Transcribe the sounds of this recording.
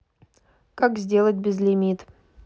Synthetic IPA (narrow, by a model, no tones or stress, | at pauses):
kakzʲdʲe̞lˠətʲbʲɪzlʲɪmʲit̪